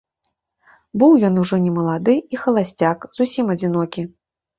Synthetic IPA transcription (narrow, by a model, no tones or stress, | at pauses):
bɨwjɔnuʐɔnʲɛmɐlˠad̪ɨixɐlˠasʲt͡sʲakzusʲimɐd͡zʲinɔkʲi